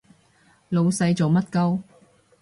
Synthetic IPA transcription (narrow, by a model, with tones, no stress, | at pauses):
lo˨˧wsɐ˧jt͡so˨wmɐ˥t̚kɐ˥w